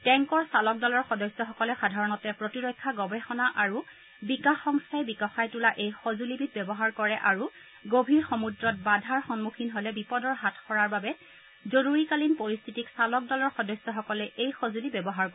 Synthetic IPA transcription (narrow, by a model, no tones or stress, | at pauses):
tɛŋkɔɹsalɔk̚dɔlɔɹxɔdɔjsjɔxɔkɔlɛxadʱaɹɔnɔtɛpɹotiɹɔjkʰːaɡɔbɛxɔnaʔaɹu | bikaxːɔŋsajbikɔxajtulaʔejxozulibit̚bɛbɔɦaɹkɔɹɛʔaɹu | ɡobʱiɹxɔmudɹɔt̚badʱaɹxɔnmukʰinɦolɛbipɔdɔɹɦatʰxɔɹaɹbabɛ | zoɹuɹikalinpoɹist̪ʰitiksalɔk̚dɔlɔɹxɔdɔjsjɔxɔkɔlɛʔejxozulibɛbɔɦaɹkɔ